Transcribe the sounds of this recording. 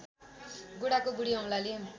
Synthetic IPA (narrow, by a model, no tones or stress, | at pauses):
ɡuɽakoɡuɽiʌŋlale